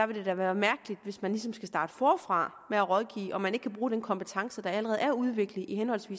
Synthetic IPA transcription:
d̥ɑ̈ʋe̝de̝d̥æɐʋæːɐmæɐɡ̥əlid̥ʋe̝smænlisɒ̽msɡ̥æsd̥ɑ̈ːd̥əfɒːfʁɑ̈ | meæʁɒð̞ˠɡ̥ḭːɒ̽mæneɡ̥kʰæb̥ʁuːd̥enkʰɒ̽mpet͡sʰɑ̈ŋsəd̥ɑ̈æləʁɛːð̞̩ˠæɐuð̞ˠʋe̝ɡ̥ləihenhɒ̽l̰sʋḭːs

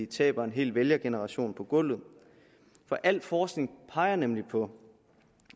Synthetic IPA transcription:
it͡sʰɛ̰ːb̥ɐe̝nɦe̝̰ːlʋeljɐɡ̥e̝nəʁɑ̈ɕo̝̰ːnpʰɒ̽ɡ̥ɔ̽l̰ð̞̩ˠ | fɒ̽ʔæl̰̥fɒːsɡ̥ne̝ŋpʰɑ̈ɪɐnemlipʰɒ̽

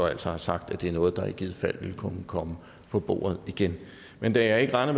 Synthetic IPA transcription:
ɒæl̰sɒhɑ̈sɑ̈ɡ̥d̥æ̥d̥e̝æɐnɔ̽ːð̞̩ˠd̥ɑ̈e̥ɡ̥iːð̞̰̩ˠfæl̰ʋe̝lˠkʰɔ̽məkʰɒ̽mə | pʰɒ̽b̥o̝̰ːɐð̞̩ˠiɡ̥en | mend̥æjɑ̈ɪe̝ɡ̥əʁɑ̈ɪnəm

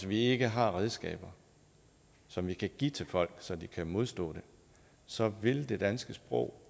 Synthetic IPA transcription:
sʋie̝ɡ̥əɦɑ̈ʁɛð̞ˠsɡ̥ɛ̰ːb̥ɐ | sɒ̽mʋikʰæɡ̥ḭt͡sʰe̝lfɒ̽l̰ɡ̥sɒ̽d̥ikʰæmo̝ð̞ˠsd̥ɔ̰̽ːd̥e̝ | sɒ̽ʋe̝ld̥e̝d̥ænsɡ̥əsb̥ʁɔ̰ʊ̰

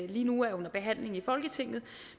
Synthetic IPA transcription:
liːnuæɐjo̽nɐb̥e̝ɦæn̰le̝ŋifɒ̽lɡ̥ət͡sʰe̝ŋ̰ð̩ˠ

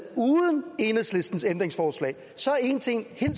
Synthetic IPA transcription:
uːðˠəne̝nəsle̝sd̥n̩send̥ʁeŋsfɒːslɛ̰ɪ | sɒ̽æɐe̝nt͡sʰe̝ŋ̰he̝l

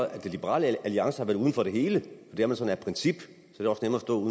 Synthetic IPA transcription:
æd̥elib̥əʁɑ̰ːləæliɑ̈ŋsəɑʋæɐð̩ˠuðˠnfɒ̽ɾ̥e̝ɦe̝ːləɒd̥e̝æɐmænsɒ̽n̩æɐpʰʁɛnsib̥ | sɒædeɒ̽snemɐːsd̥ɔ̰̽uðˠ

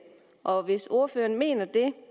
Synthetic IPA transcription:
ʔɒ̽ʋe̝so̝ɐføːɐnme̝̰ːnɐd̥e̝

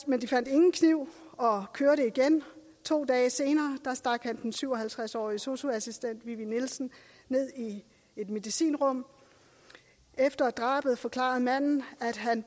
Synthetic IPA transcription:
mend̥ifæn̰d̥e̝ŋn̩kʰniʊ̰ɒ̽kʰøɐɾəiɡ̥en | t͡sʰo̝̰ːd̥ɛːse̝ːnɐːd̥ɑ̈sd̥ɑ̈ɡ̥hænd̥n̩syʊ̰ɒ̽ɦælt͡sʰʁasɒ̰ːiso̝soæsisd̥en̰d̥ʋiʋinilsn̩ | ne̝ð̞̰ˠi | e̝d̥me̝ðˠisḭːnʁɔ̽m̰ | efd̥ɐd̥ʁɑ̈ːb̥əð̩ˠfɒ̽kʰlɑ̰̈ð̩ˠmæn̰n̩æd̥ɦæn

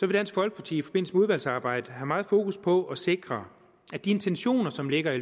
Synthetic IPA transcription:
sɒʋe̝d̥æn̰sɡ̥fɒ̽lɡ̥əpʰɑ̈t͡sʰḭifɒ̽b̥e̝n̰l̩səmeuð̞ˠʋæl̰sɑ̈ːb̥ɑ̈ɪ̰d̥əɦæmɑ̈ːð̩ˠfo̝ːkuspʰɒ̽ʔɒse̝ɡ̥ʁɐ | æd̥ie̝nt͡sʰenɕo̝̰ːnɐsɒ̽mle̝ɡ̥ɐi

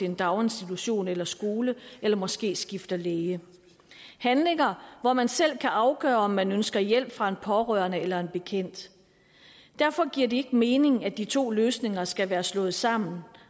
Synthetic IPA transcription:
eend̥ɑ̈ʊe̝nsd̥it͡sʰuɕo̝̰ːnelɐsɡ̥o̝ːləelɐmɒ̽sɡ̥e̝̰ːsɡ̥ifd̥ɐleːə | hænle̝ŋɐʋɒmænsel̰kʰæʔɑ̈ʊɡ̥œ̰ːɐɒ̽mːænønsɡ̥ɐjel̰b̥fʁɑ̈e̝npʰɒ̽ʁœːɐnəelɐe̝nb̥e̝kʰen̰d̥ | d̥æɐ̰fɒ̽ɡ̥iɐ̰d̥e̝e̝ɡ̥əme̝ːne̝ŋæd̥it͡sʰo̝̰ːløːsne̝ŋɐsɡ̥æʋæːɐslɔ̽ːð̩ˠsɑ̈m̰n̩

